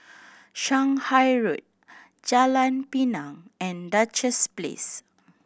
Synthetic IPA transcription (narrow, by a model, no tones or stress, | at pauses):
ʃãŋhajɹut̚ | d͡ʒalãnpinãŋɛ̃ndat͡ʃəsplḛs